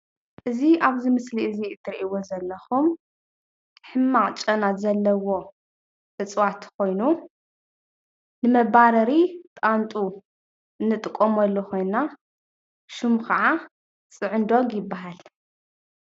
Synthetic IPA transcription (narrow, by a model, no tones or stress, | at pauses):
ʔɨziaβzimɨsliʔɨziɨt̪ʰːɨɾʔiwozɐlːɐxum | ħɨmːaχʼt͡ʃʼɐnazɐlːɐwo̞ | ʔɨt͡sʼwat̪kʰo̞jnu | nɨmɐβaɾɐɾit̪ʼant̪ʼu | ɨnːɨt̪ʼɨkʼːomɐlːuxo̞jna | ʃumxaʕa | t͡sʼɨʕɨnd̪oɡjɪbːaɦal